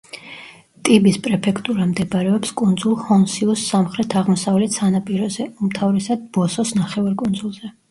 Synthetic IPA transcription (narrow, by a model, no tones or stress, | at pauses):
t̪ʼibispʼɾɛpʰɛkʰt̪ʼuɾamd̪ɛbaɾɛɔpskʼund̪zulˠhɔnsiusːamχɾɛt̪ʰaʁmɔsavlɛt̪sʰanapʼiɾɔzɛumt̪ʰavɾɛsad̪̚bɔsɔsnaχɛvaɾkʼund̪zulˠzɛ